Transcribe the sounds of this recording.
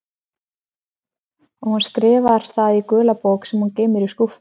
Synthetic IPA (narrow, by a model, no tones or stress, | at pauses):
ɔɣhunskɾɪːvaɾ̥θaðikʏːlapowksɛmhunceːmɪɾiskuf